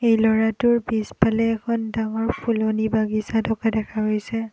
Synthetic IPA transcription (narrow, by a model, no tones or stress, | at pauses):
ejlɔɹatʊɹbispalɛːkʰɔndaŋɔɹpʰulonibaɡisatʰɔkadɛkʰaɦojsɛ